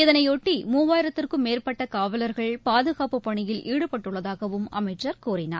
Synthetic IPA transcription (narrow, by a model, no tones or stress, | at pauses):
ɪðɐnɐɪoːʈːimuːʋaːjɪɾɐt̪ːɪrkɯmeːrpɐʈːɐkaːʋɐlɐɾɣɐɭpaːðɯɣaːpɯpːɐɳɪjɪlʔiːɽɯpɐʈːɯɭːɐðaːɣɐʋɯmɐ̰mɐɪt͡ʃːɐɾkuːrɪna̰ːɾ